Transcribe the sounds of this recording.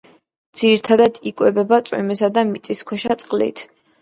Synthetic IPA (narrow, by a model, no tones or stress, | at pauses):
d̪z̥iɾit̪ʰad̪ad̪ikʼwɛbɛbat̪sʼwḭmɛsad̪amit̪sʼiskʰwɛʃat̪sʼqʼlḭt̪ʰ